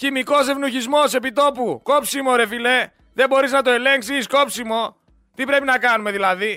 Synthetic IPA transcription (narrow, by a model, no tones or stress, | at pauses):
çimiko̞se̞vnuçizmo̞se̞pit̪o̞puko̞psimo̞ɾe̞file̞ | ðe̞bo̞ɾiznɐt̪o̞e̞le̞ŋksisko̞psimo̞ | t̪ipɾe̞pinɐkɐnume̞ðilɐði